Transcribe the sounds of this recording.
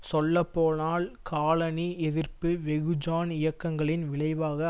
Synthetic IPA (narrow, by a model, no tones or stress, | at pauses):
sɔlːɐpːoːnaːlkaːlɐniɛðɪrpɯʋɛɣɯd͡ʒaːnɪjɐkːɐŋɡɐɭɪnʋɪɭɐɪʋaːɣɐ